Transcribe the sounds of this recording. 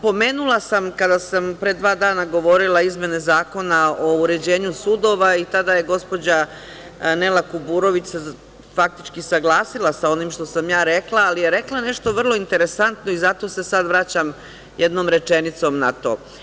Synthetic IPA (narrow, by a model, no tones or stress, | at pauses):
po̞me̞ːnulˠasamkad̪asampɾe̞d̪ʋaːd̪aːnaɡo̞ʋo̞ɾilˠaizmje̞nezaːko̞naouɾe̞d͡ʑe̞ːɲusud̪o̞ʋait̪ad̪aje̞ɡo̞spo̞d͡ʑa | ne̞lakubuɾo̞ʋit͡ɕse | fak̚t̪i̥t͡ʃkisaɡlˠaːsilasao̞nimʃt̪o̞samjaːɾe̞klaːlijeɾe̞klˠane̞ʃt̪o̞ʋr̩lˠo̞int̪e̞ɾe̞sant̪no̞izat̪o̞ːse̞sad̪ʋɾat͡ɕam | jed̪no̞ːmɾe̞t͡ʃe̞nit̪so̞mnat̪o̞̰ː